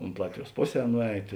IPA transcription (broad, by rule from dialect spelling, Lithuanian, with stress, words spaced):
ʊnt ˈlˠɑːtʲʋʲɪˌjuɔs ˈpoːˌsʲɛː ˈnʊˌɛɪt